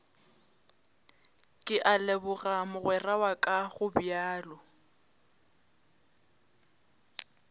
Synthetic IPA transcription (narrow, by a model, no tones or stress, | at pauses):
kʼɪʔalɛbʊɣamʊɣwɛrawakʼaɣʊbjaːlɔ